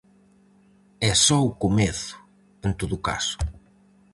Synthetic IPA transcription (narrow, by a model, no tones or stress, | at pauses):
ɛsɔukomeθʊ̥ | ent̪oðʊka̰sʊ̥